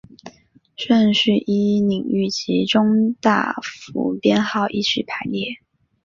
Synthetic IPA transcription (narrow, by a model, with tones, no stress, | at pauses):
ʂə˥˧nʂɻ̩˥˩ʔi˥ni˨˩ŋy˥˩t͡ɕʰi˧˥ʈ͡ʂʊ˥ŋt̪a̰˥˩fṵ˧˥pjɛ˥˧nxɑ˥˧ʊʔi˥˧t͡ɕʰy˥˩pʰa˧˥ɪljɛ˥˩